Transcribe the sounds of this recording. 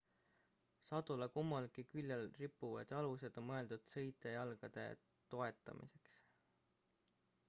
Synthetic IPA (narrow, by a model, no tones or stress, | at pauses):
sɑd̪̥ulɑkumːɑlkikylʲːelripːˑuvɑ̰d̪̥jɑluse̞d̪̥o̞mmɤe̞ld̪ud̪̥sɤjt̪ːˑe̞jɑlɡ̥ɑd̪̥e̞̰ | t̪o̞e̞t̪ːˑɑ̰mʔḭse̞ks